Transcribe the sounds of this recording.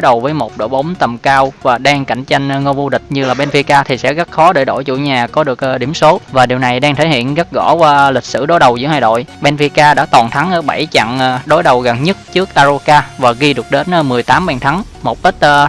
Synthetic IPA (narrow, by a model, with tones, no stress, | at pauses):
jɗə˨˩wvəː˨˦jmo˨˩t̚ɗo̰˧˩ɓə˨˦wŋ͡mt̪ə˨˩mkaː˧wvaː˨˩ɗaː˧ŋka˧˩˨jŋ̟t͡ɕa˧jŋ̟˧ŋo˧vu˧ɗï˨˩k̟̚ɲɨ˧laː˨˩ɓɛ˧nfi˧kaː˧t̪ʰi˨˩sɛ̰˧˥ɣə˦˥t̚xɔ˨˦ɗə̰ː˧˩ɗo̰˧˩˨jt͡ɕṵ˧˩ɲaː˨˩kɔ˨˦ɗɨ˨˩ək̚ːɗḭ˧˩əmso˨˦vaː˨˩ɗi˨˩əwna˨˩jɗaː˧ŋt̪ʰe˧˩hḭ˧˨ənɣə˦˥t̚ɣɔ̰˧˥və˧li˨˩k̟̚sɨ̰˧˥ɗo˨˦jɗə˨˩wzɨ̰˧˥haː˨˩jɗo̰˧˨jɓɛ˧nfi˧kaː˧ɗa̰ː˧˥t̪wɔ˨˩nt̪ʰa˨˦ŋʔəː˧˦ɓa˧˩jt͡ɕa̰˧˨ŋ˧ɗo˨˦jɗə˨˩wɣə˨˩nɲə˦˥t̚t͡ɕɨ˦˥ək̚ʔaː˧zo˧kaː˧vaː˨˩ɣi˧ɗɨ˨˩ək̚ɗe˨˦n˧mɨ˨˩əjt̪aː˨˦mɓɛ˧nt̪ʰa˨˦ŋ | mo˨˩t̚ɓə˦˥t̚ə˧